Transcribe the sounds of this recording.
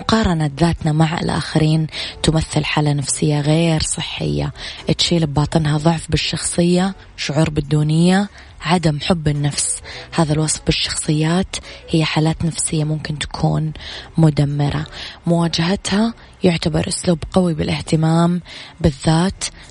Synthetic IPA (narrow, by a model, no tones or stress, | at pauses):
ʊqɑːɾˤɑnaðaːt̪namaʕɪ̰lʔa̰ːxaɾiːnt̪ʊmaθːɪlħaːlanafsɪjːaɣeːɾsˤɨħːɪ̰jːa̰ʔɪt̪ʃiːlɪbbɑːt̪ˤɨnɦaðˤʊʕfbɪʃːɑxsˤɨjːa | ʃʊʕuːɾbɪd̪ːuːnɪjːa | ʕad̪amħʊbːɪnːafshaːðalwɑsˤfbɪʃːɑ̥xsˤɨjːaːt̪hɪjːaħaːlaːt̪nafsɪjːamʊmkɪnt̪ḁkʰṵːnmʊd̪amːɪɾˤʔa̰mʊwaːd͡ʒahat̪ha | jʊʕt̪abɑ̰ɾˤʔʊsluːbqawibɪlʔɪht̪ɪmaːmbɪðːaːt̪